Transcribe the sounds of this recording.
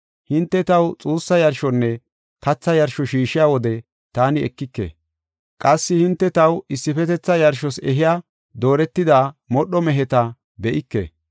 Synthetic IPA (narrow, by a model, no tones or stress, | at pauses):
hɪnt̪ːɛt̪ɐwt͡sʼuːsːɐjɐɾʃɔnːɛ | kɐt͡sːɐjɐɾʃɔʃiːʃɪjaːwɔd̪ɛ | t̪aːnɪɛ̰kːɪkːḛ | kʼɐsːɪhɪnt̪ːɛt̪ɐwɪsːɪfɛt̪ɛt͡sːɐjɐɾʃɔsɛɦɪjaː | d̪o̞ːɾɛt̪ːɪd̪aːmɔɗːɔmɛɦɛt̪ɐ | bɛʔɪkːḛ